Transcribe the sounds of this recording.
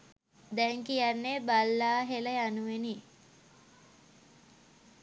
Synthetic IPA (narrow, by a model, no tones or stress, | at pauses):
d̪ɛŋkijanːebalːaːɦeləjanuʋeni